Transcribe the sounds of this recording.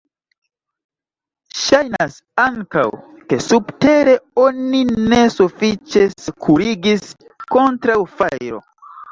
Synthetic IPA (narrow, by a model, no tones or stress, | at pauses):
ʃajnas | aŋka̰w | ke̞subte̞ɾe̞o̞nine̞sufit͡ʃeskʰuɾiɡis | ko̞ntɾawfajɾo̰